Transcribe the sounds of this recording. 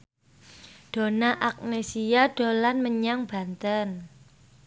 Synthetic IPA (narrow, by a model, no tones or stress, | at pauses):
ɖ̥o̤naʔak̚nesijaɖ̥o̤lanməɲaŋb̥a̤nt̪ən